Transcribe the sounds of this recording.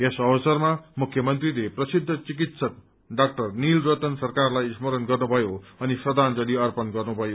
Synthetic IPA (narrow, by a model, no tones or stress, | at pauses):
esʌbʌsʌrmamukʰjʌmʌnt̪rileprʌsid̪ʱːʌt͡sik̬it̪sʌt̪̚ | ɖak̚ʈʌrnilrot̪ʌnsʌrkarlajsmʌɾʌnɡʌrnubʱʌjoʌnisrʌd̪ʱand͡zʌliʌrpʌnɡʌrnubʱʌjo